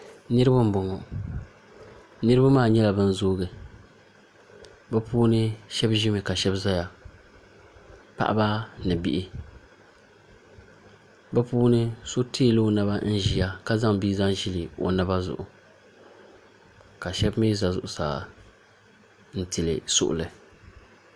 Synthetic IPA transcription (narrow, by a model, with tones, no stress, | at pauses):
nɨ˦ɾɨ˦ba˦m̩˦bʊ˨ŋɔ˨ | nɨ˦ɾɨ˦ba˦maː˦˨ɲɛ˦la˨bɨ˦n˦zoː˦ɡɨ˨ | bɛ˦puː˦nɨ˦ʃɛ˦bʒi˦mɨ˨ka˨ʃɛ˦bza˦ja˨ | pa̰˦ʔa̰˦ba˦nɨ˨bi˦ʔi˦ | bɛ˦puː˦nɨ˦so˦tiː˦˨lo˦na˦ba˦n̩˦ʒi˨ja˦ka˦za˦ŋbi˦za˦ŋʒi˦li˨o̰˨na˦ba˦zʊ̰˨ʔʊ˨ | ka˨ʃɛ˦bmiː˦za˨zʊ̰˨ʔʊ˨sa̰ː˨ | n̩˦ti˨lɨ̰˨sʊ̰˦ʔʊ̰˨lɨ˨